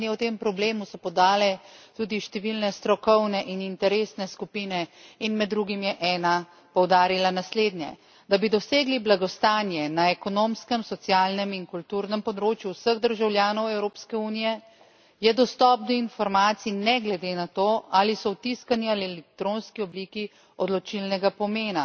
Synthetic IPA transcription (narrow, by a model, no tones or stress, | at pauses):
nɛwt̪eːmpɾɔbleːmusɔpɔd̪aːlɛt̪uːd̪iʃt̪ɛʋilnɛst̪ɾɔkɔwnɛʔinint̪ɛɾeːsnɛskupiːnɛinmɛd̪ːɾuɡimjɛʔɛːna | pɔwd̪aːɾilanasleːd̪njɛ̰ | d̪abid̪ɔseːɡliblaɡɔst̪aːnjɛnaɛkɔnoːmskəmsɔt̪sjaːlnɛminkult̪uːɾnɛmpɔd̪ɾoːt͡ʃjuwsəɣd̪əɾʒawljaːnɔwɛwɾoːpskɛuːnijɛ | jɛd̪ɔst̪ɔp̚d̪ɔinfɔɾmaːt̪sinɛɡlɛd̪eːnat̪oalisɔwt̪iskanialiɛlɛkt̪ɾonskiɔbliːki | ɔd̪lɔt͡ʃilnɛɡapɔmeːna